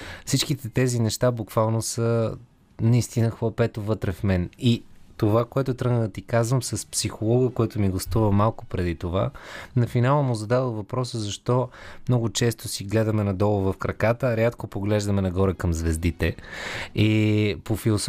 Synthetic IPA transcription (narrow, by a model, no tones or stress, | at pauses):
fsit͡ʃkit̪ɛt̪ɛzinɛʃt̪abukv̥alˠnosə | nɐist̪inəxvˠɐpɛt̪ovɤt̪ɾɛfmɛnit̪ovakoɛt̪ʊt̪ɾəɡ̪nəd̪ət̪ikazvəmsɐspsixolˠɔɡəkoɛt̪ʊmiɡɐst̪uvəmalˠkʊ̥pɾɛd̪it̪ova̰nɐfinalˠəmʊzɐd̪adəlˠvɐpɾɔsəzɐʃt̪ɔmnɔɡʊt͡ʃɛst̪osiɡlɛd̪ɐmɛnɐd̪ɔlˠovɐfkɾɐkat̪əɾʲat̪kopoɡlɛʒd̪ɐmɛnɐɡɔɾəkɐmzvɛzd̪it̪ɛ | ɛpofilˠos